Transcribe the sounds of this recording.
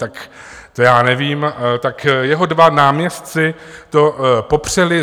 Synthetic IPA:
t̪ak | t̪ojaːnɛviːmt̪akjɛɦo̞dvanaːmɲɛst̪t͡sɪ | t̪o̞po̞pr̝̥ɛlɪ

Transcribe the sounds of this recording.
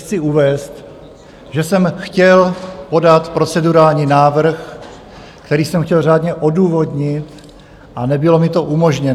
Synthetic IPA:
t͡sɪuvɛːst̪ | ʒɛsɛmxcɛlpo̞dat̪pɾo̞t͡sɛduɾaːlɲiːnaːvr̩x | kt̪ɛɾiːsɛmxcɛlraːdɲɛʔo̞duːvo̞dɲɪt̪ | ʔanɛbɪlo̞mɪt̪o̞ʔumo̞ʒɲɛ

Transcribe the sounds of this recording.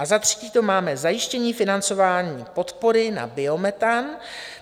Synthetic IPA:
ʔazat̪r̥ɛ̥ciːt̪o̞maːmɛzajɪʃcɛɲiːfɪnant͡so̞vaːɲiːpo̞t̪po̞ɾɪna̰bɪo̞mɛt̪an

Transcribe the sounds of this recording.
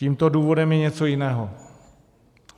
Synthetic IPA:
iːmt̪o̞duːvo̞dɛmjɛɲɛt͡so̞jɪnɛːɦo

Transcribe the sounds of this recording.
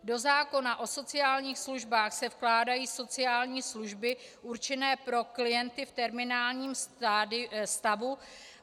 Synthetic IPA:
do̞zaːko̞naʔo̞so̞t͡sɪjaːlɲiːxsluʒbaːxsɛfklaːdajiːso̞t͡sɪjaːlɲiːsluʒbɪʔuɾt͡ʃɛnɛːpɾo̞klɪjɛnt̪ɪft̪ɛɾmɪnaːlɲiːm | st̪avu

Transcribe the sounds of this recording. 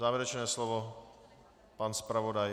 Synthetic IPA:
zaːvɛɾɛt͡ʃnɛːslovo | panspɾavodaj

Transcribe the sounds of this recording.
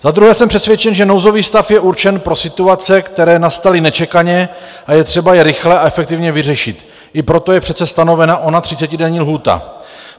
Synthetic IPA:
z̥ad̪ɾuɦɛːsɛmpr̥ɛt̪svjɛt͡ʃɛnʒɛnowzo̞viːst̪afjɛuɾt͡ʃɛnpɾo̞sɪt̪uat͡sɛkt̪ɛɾɛːnast̪alɪnɛt͡ʃɛkaɲɛ | ajɛt̪r̥ɛbajɛɾɪxlɛaɛfɛk̚t̪ɪvɲɛvɪrɛʃɪt̪ | ʔɪpɾo̞t̪o̞jɛpr̥ɛt̪t͡sɛst̪ano̞vɛnaʔo̞nat̪r̝̥ɪt͡sɛcɪdɛɲiːlɦuːt̪a̰

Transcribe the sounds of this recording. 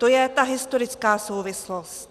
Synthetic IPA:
t̪ojɛt̪aɦɪst̪o̞ɾɪt͡skaːsowvɪslost̪

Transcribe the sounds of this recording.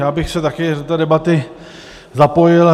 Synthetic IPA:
jaːbɪxsɛt̪akɪdot̪adɛbat̪ɪ | zapo̞jɪl

